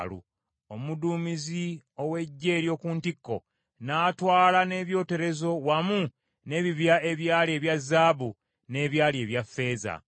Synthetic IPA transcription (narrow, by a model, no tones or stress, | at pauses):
lṵ | o̞muduːmizio̞we̞ɟːe̞ːɾjo̞ːkuːntikːo̞̰ | naːtwaːlane̞ːβjo̞ːte̞ɾe̞zo̞wamu | ne̞ːβiβjae̞βjaːlie̞ːβjazːaːβu | ne̞ːβjaːlie̞ːβjafːe̞ːza̰